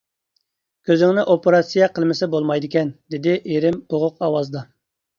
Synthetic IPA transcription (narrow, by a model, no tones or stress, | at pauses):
kʲʰøzɪŋnɪʔopeɾɑt̪sijɛqʰəlˠmɪsɪbolˠmɑjd̪ɪkʲɛnd̪ɪd̪ɪʔeɾɪmboʁʊqɑwɑzd̪ɑ